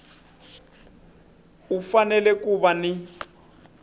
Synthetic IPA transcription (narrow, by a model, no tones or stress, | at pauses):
ufanɛlɛkuβani